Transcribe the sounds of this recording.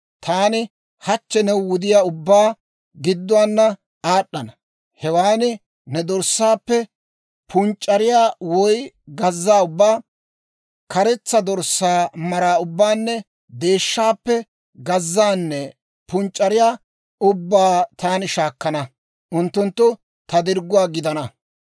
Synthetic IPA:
t̪ʰaːnɪ | hɐt͡ʃːɛnɛwwʊd̪ɪjaːʊbːaː | ɡɪd̪ːʊaːnːɐ | aːɗːɐnɐ | hɛwaːnɪ | nɛd̪ɔɾsːaːpːɛ | pʰʊnt͡ʃʼːɐɾɪjaːwɔj | ɡɐzːaːʊbːaː | kɐɾɛt͡sːɐd̪ɔɾsːaːmɐɾaːʊbːaːnːɛ | d̪e̞ːʃːaːpːɛ | ɡɐzːaːnːɛ | pʊnt͡ʃʼːɐɾɪjaː | ʊbːaːt̪aːnɪʃaːkːɐnɐ | ʔʊnt̪ːʊnt̪ːʊ | t̪ɐd̪ɪɾɡʊwaːɡɪd̪ɐnɐ

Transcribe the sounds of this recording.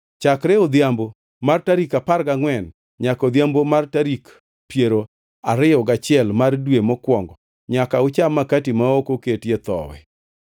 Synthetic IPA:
t͡ʃakɾɛɔd̪jambo | martaɾikapaɾɡaŋwɛn | ɲakɔd̪jambomartaɾik | pjeɾo | aɾɪjɔɡat͡ʃɪɛlmardwemɔkwɔŋɡɔ | ɲakaʊt͡ʃamːakatimaokoketjet̪ɔ̰wɛ̰

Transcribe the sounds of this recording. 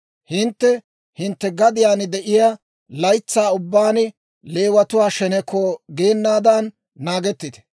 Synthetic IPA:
hɪnt̪ːɛ | hɪnt̪ːɛɡɐd̪ɪjaːnɪd̪ɛʔɪjaː | lɐjt͡sːaːʊbːaːnɪ | leːwɐt̪ʊwaːʃɛnɛkːɔɡe̞ːnːaːd̪ɐnː | aːɡɛt̪ːɪt̪ɛ̥

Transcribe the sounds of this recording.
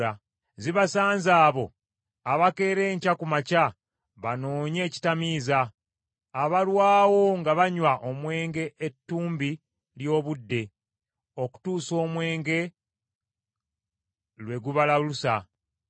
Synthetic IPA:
a | ziβasaːnzaːβo̞ | aβake̞ːɾe̞ːɲcakumaca | βano̞ːɲe̞ːci̥tamiːzaː | βalwaːwo̞ŋɡaβaɲwaʔo̞mwe̞ːŋɡe̞ʔetːuːmbi | ljo̞ːβudːe̞ | o̞ku̥tuːso̞ːmwe̞ːŋɡe̞ | lwe̞ɡuβalalusa

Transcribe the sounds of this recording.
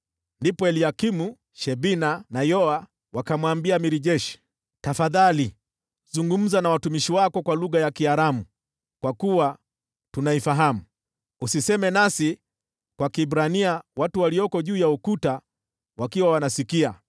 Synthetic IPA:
ndipɔɛliakimu | ʃɛbinanajɔa | wakamwambiamiɾiʄɛʃi̥ | tafaðali | zuŋɡum̩zanawatumiʃiwakɔkwaluɣajakiaɾamu | kwakuwa | tunaifaɦamu | usisɛmɛnasi | kwakibɾaniawatuwaliɔkɔʄuːjaukuta | wakiwawanasikia

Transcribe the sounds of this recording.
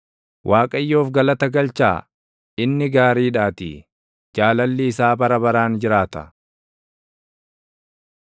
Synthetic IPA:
wʔaːkʼɐjːo̞ːfɡɐlɐt̪ɐɡɐlt͡ʃa̰ː | ɪnːɪɡaːɾiːᶑaːt̪ḭ | d͡ʒaːlɐlːɪɪsaːbɐɾɐbɐɾaːnd͡ʒɪɾaːt̪ɐ̰

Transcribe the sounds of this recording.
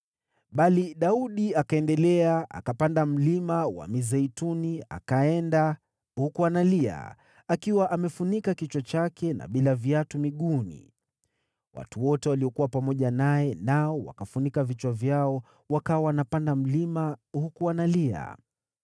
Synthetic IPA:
ɓaliɗauɗiakaɛndɛlɛaa̰kapandam̩limawa̰mizɛitunia̰kaɛnda | hukuanalia̰ | akiwaʔamɛfunikakit͡ʃwat͡ʃakɛna̰ɓilavjatumiɠunḭ | wa̰tuwɔtɛwaliɔkuwapamɔʄanajɛnaɔwa̰kafunikavit͡ʃwavjaɔ | wakawawanapandam̩limahukuanalia̰

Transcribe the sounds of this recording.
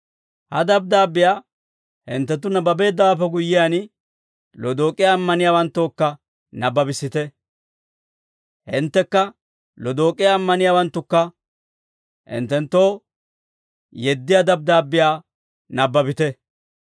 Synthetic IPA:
hɐ̰d̪ɐb̚d̪aːbːɪjaː | hɪ̰nt̪ːɛt̪̬ːʊnɐbɐbe̞ːd̪ːɐwaːpːɛɡʊjːɪjaːn | lɔd̪o̞ːkʼːɪjːmːɐnɪjaːwɐnt̪ːo̞ːkːɐ | nɐbːɐbɪsːɪt̪ɛ | hɪnt̪ːɛkːɐ | lɔd̪o̞ːkʼːɪjaːmːɐnɪjaːwɐnt̪ːʊkːɐ | hɪ̰nt̪ːɛnt̪ːo̞ː | jɛd̪ːɪjaːd̪ɐb̚d̪aːbːɪjaː | nɐbːɐbɪt̪ɛ

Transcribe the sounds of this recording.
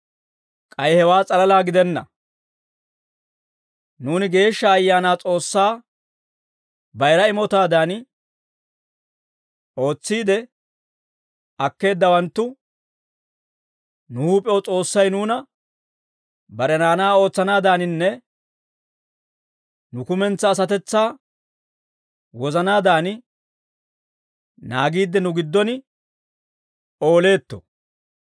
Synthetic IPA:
kʼɐjhɛwaːt͡sʼɐlɐlaːɡɪd̪ɛnːɐ̰ | nuːnɪɡe̞ːʃːɐːjːaːnaːt͡sʼo̞ːsːaː | bɐjɾɐɪmɔt̪aːd̪aːn | ʔo̞ːt͡sːiːd̪ɛ | ɐkːe̞ːd̪ːɐwɐnt̪ːʊ | nʊhuːpʼɛwɔt͡sʼo̞ːsːɐjnuːnɐ | bɐɾɛnaːnaːo̞ːt͡sːɐnaːd̪aːnɪnːɛ | nʊkʊmɛnt͡sːɐːs̬ɐt̪ɛt͡sːaː | wɔzɐnaːd̪aːnɪ | naːɡiːd̪ːɛnʊɡɪd̪ːɔnɪ | o̞ːle̞ːt̪ːɔ̰

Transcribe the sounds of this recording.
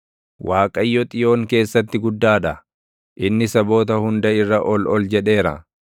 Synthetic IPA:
wʔaːkʼɐjːɔt̪ʼɪjo̞ːŋke̞ːsːɐt̪ːɪɡʊd̪ːaːᶑɐ | ʔɪnːɪsɐbo̞ːt̪ɐhʊnd̪ɐɪrːɐʔɔlɔld͡ʒɛᶑe̞ːɾɐ̰

